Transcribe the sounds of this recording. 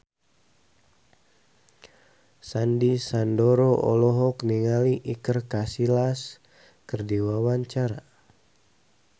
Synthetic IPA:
sandisandɔɾɔʔɔlɔɦɔkniŋaliʔikərkasilas | kərdiwawaɲt͡ʃaɾa

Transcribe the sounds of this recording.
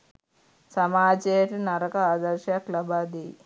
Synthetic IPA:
sɐmaːd͡ʒejɐʈinɐɾɐkɐaːd̪ɐɾʃjɐklɐbaːd̪i

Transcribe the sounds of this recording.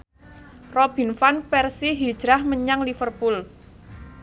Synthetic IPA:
rɔb̥i̤nfanpɛrsiɦid̥ʒ̥ɾahməɲaŋlifərpul

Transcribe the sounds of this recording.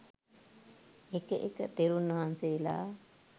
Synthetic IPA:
ekəʔekət̪eɾunʋɐɦanseila̰ː

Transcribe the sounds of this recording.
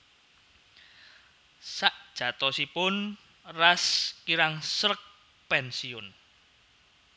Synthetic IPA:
saʔd̥ʒ̥ä̤t̪ɔsipʊn | raskiɾaŋsɾək̚ | pɛnsiʊn

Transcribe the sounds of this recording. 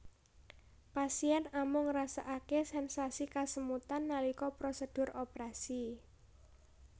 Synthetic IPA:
pasiɛnamʊŋrasaʔakesɛnsasikasəmut̪anːalikɔpɾosəd̥ʊ̤ɾopɾasi

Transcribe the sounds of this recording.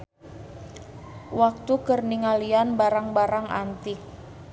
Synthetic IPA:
wak̚t̪ukərniŋalianbaɾaŋbaɾaŋa̰nt̪ɪk̚

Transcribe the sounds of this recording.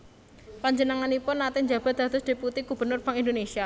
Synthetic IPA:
paɲd͡ʒənaŋanipʊnːat̪ɪnɲd͡ʒa̤b̥a̤t̪̚d̪̥a̤t̪ʊsd̪̥e̤put̪iɡ̥ṳb̥ə̤nʊrb̥aŋind̪onesia

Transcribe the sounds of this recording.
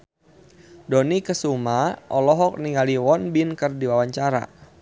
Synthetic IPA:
dɔnikəsumaʔɔlɔɦɔk̚niŋaliwɔnbinkərdiwawaɲt͡ʃaɾa̰

